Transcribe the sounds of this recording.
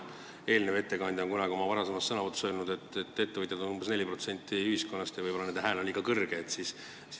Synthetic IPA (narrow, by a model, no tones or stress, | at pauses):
e̞ːlneve̞t̪ːe̞kɑnʲd̪ʲjo̞ŋkunɑɡio̞mɑvɑɾɑse̞mɑst̪sɤnɑvut̪ːu̥søːlnud̪e̞t̪ːˑet̪ːˑe̞t̪ːe̞vɤt̪jed̪o̞numbesne̞lʲːipro̞t̪se̞nʲt̪ːiyhisko̞nːɑst̪jɑvɯjb̥olɑned̪ɦæːlo̞nikɑkɤrɡ̥eːt̪sis | s